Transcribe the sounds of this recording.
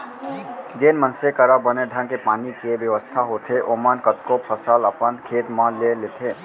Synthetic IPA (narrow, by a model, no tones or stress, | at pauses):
d͡ʒeːnmənsekəɾabəneɖʱə̃ŋkepaːnikieʋjəʋəst̪ʰaɦoːt̪ʰeʔoːmənkət̪kopʰəsaləpənkʰeːt̪mãleleːt̪ʰeː